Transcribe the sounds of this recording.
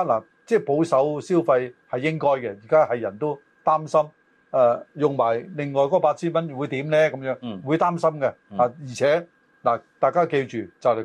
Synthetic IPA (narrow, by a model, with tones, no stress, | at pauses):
laː˨˩ | t͡sɛː˥˩po˨˥wsɐ˨˥wsi˥wfɐ˧jhɐ˨jːɪ˥ŋkɔː˥jkɛ˧jiː˨˩kaː˥hɐ˨jjɐ˨˩nt̪o˥w | t̪aː˥msɐ˥m | ɛ˧jʊ˨ŋmaː˨˩jlɪ˨ŋŋɔː˨˩jkɔ˨˥paː˧t̚t͡sʰiː˥nmɐ˥nwu˨˧jt̪iː˨˥mnɛː˥kɐ˨˦mjœː˨˥ŋwuː˨˧jt̪aː˥msɐ˥mkɛ˧aː˨˩jiː˨˩t͡sʰɛː˨˦˥ | laː˨˩t̪aː˨jkaː˥ke˧jt͡ʃyː˨t͡sɐ˨whɐ˨˩